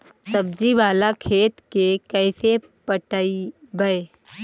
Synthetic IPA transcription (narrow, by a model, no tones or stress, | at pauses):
səb̚d͡ʒibaːlakʰeːt̪kekəɪse | pəʈaibəe